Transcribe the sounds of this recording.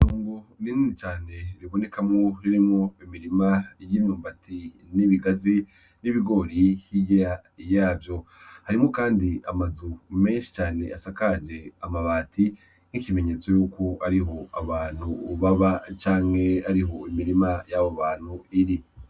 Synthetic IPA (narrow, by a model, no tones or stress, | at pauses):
nuːŋɡonininit͡ʃaːne̞ɾiβo̞ne̞kamŋoɾiɾimŋoimiɾimajimɲuːmbatʰi | niβiɡazi | niβiɡo̞ɾihiɡejajaːvjo̞haɾimŋokaːndia̰mazume̞ːnʃi̥t͡ʃaːne̞̰asakad͡ʒe̞amaβaːtʰi | ŋ̥ikime̞ɲe̞ːt͡so̞juːkoaɾiɦo̞aβaːn̥huβaβat͡ʃaːŋ̥he̞aɾiɦo̞imiɾimajaːβoβaːn̥huiɾi